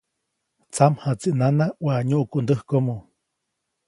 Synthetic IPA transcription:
t͡samhat͡siʔnanawaɲuʔkuʔnd̪əhkomo

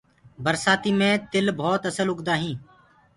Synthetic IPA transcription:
bəɾsaːt̪iːmẽːt̪ɪlbʱoːt̪əsəlʊɡd̪aːɦĩː

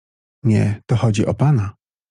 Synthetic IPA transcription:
ɲɛ̰t̪ɔxɔd͡ʑiʔɔpana

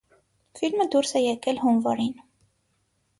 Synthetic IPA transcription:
filməd̪uɾsɛjɛkɛlɦunvɔɾin

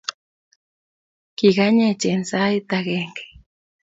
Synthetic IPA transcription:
kiɣaɲet͡ʃensait̪aɣeŋke̥

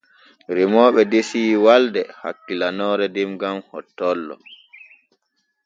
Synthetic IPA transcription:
ɾimɔːɓɛdesiːwaldɛha̰kːilanɔːɾɛdimɡamhɔ̰tːɔlːɔ̰

